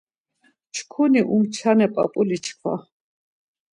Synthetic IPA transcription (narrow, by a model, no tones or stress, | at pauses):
t͡ʃʰkʰuniʔumt͡ʃʰanɛpʼa̰pʼulit͡ʃʰkʰva̰